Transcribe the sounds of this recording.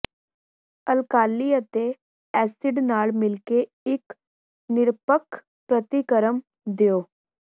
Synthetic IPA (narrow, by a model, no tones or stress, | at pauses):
əlkaːlːiət̪e | ɛːsɪɖnaːɭmɪlke | ɪk | nɪɾpəkʰ | pɾət̪ikəɾəm | d̪ijoː